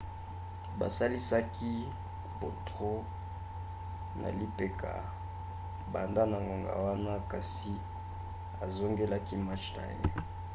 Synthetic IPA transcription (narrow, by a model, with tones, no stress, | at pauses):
ba̰˨sa˦li˦sa˦kʰi˦ | bo˨tʁo˦ | nʔa̰˨li˦pe˨kʰa̰˨ | ba˨nda˦na˨ŋɡo˨ŋɡa̰˨wa˦na˦ka˨si˨ | a˨zo˦ŋɡe˦la˦ki˦ma˦t͡ʃna̰˨je˦